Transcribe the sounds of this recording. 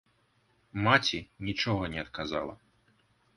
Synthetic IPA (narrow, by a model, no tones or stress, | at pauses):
mat͡sʲinʲit͡ʃɔɣɐnʲɛɐt̪kaza̰lˠɐ̰